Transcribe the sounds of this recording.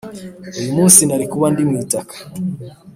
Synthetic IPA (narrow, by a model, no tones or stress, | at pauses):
ujumusinaɾikuwandimiitakḁ